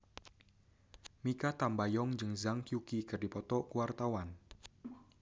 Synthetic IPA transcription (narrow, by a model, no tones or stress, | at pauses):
mikat̪ambajɔŋd͡ʒɨŋzaŋkjukikɨrdipɔt̪ɔkuwart̪awan